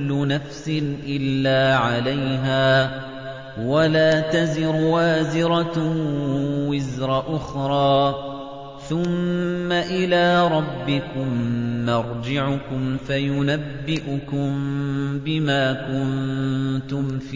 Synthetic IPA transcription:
lːʊnafsɪnʔɪlːaːʕalajɦaː | walaːt̪azɪɾwaːzɪɾɑ | wɪzɾˤɑʔʊxɾˤɑː | θʊmːaʔɪlaːɾˤɑbːɪkʊmːɑɾˤd͡ʒɪʕʊkʊmfajʊnabːɪʔʊkʊmbɪmaːkʊnt̪ʊmf

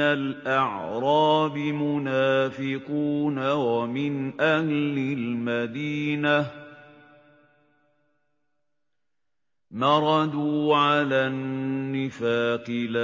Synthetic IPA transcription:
alʔɑʕɾˤɑːbɪmʊnaːfɪquːnawamɪnʔahlɪlmad̪iːna | mɑɾˤɑd̪uːʕalanːɪfaːqɪla

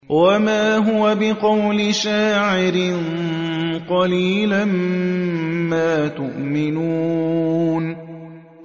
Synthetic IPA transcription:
wamaːɦʊwabɪqɑwlɪʃaːʕɪɾɪn | qɑliːlam | maːt̪ʊʔmɪnuː | n

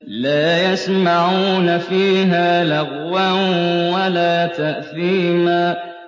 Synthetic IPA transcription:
laːjasmaʕuːnafiːɦaːlaɣwanwalaːt̪aʔθiːmaː

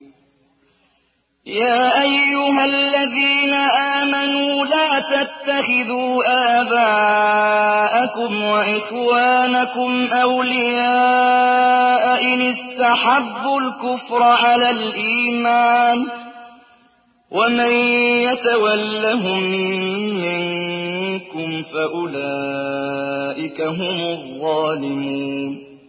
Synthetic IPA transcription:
jaːʔajːʊɦalːaðiːnaʔaːmanuːlaːt̪at̪ːaxɪðuːʔaːbaː | ʔakʊmwaʔɪxwaːnakʊmʔawlɪjaː | ʔaʔɪnɪst̪aħabːʊlkʊfɾˤɑʕalaːlʔiːmaːn | wʔamanjat̪awalːaɦʊmː | ɪŋ | kʊmfaʔʊlaː | ʔɪkaɦʊmʊðˤːɑːlɪmun

